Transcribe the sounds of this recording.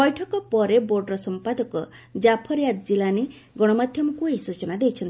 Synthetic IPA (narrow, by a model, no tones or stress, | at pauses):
bɔjʈʰɔkɔpɔɾeboɾɖɾɔsɔmpad̪ɔkɔ | d͡ʒapʰɔɾjat̪d͡ʒilane | ɡɔɽ̃ɔmad̪ʱjɔmɔkuesut͡ʃɔnad̪ejt͡ʃʰɔnt̪